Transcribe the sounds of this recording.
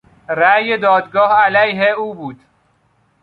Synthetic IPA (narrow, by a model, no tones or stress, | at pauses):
ɾæjed̪ɒːd̪ɡɒːhælæjɦeuːbuːd̪̥